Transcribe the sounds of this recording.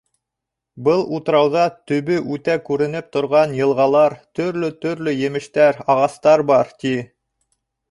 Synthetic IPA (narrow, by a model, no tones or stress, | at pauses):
bɤlˠut̪ɾɑwðɑt̪ɵ̆βɘʔʉt̪ækʉɾɘ̆nɘp̚t̪ŏɾʁɑnjɤ̆lˠʁɑlˠɑɾt̪ɵ̆ɾlɵt̪ɵ̆ɾlɵjɘ̆mɘ̆ʃt̪æɾɑʁɑst̪ɑɾbɑɾt̪i